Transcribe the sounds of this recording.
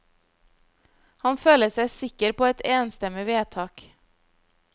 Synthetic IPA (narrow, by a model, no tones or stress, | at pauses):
hɑnføːləsæɪsɪkəɾpʰoːɛt̪eːnst̪ɛmɪʋeːt̪ʰɑːk